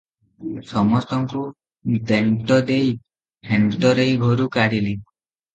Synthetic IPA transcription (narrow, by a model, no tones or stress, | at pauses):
sɔmɔst̪ɔŋku | d̪eɳʈɔd̪ej | hʰeɳʈɔɾejɡʱɔɾukaɽili